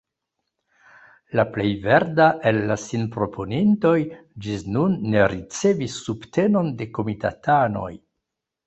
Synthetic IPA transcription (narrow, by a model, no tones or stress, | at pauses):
laple̞jve̞ɾdaʔe̞lːasinpɾo̞pʰo̞ninto̞jd͡ʒisnunːe̞ɾit͡se̞visːubte̞no̞nde̞ko̞mita̰tano̞̰j